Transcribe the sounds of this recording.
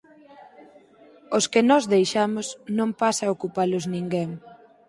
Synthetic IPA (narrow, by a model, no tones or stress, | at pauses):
oskenɔzðejʃamʊsnõmpasaokupalʊznĩŋɡeŋ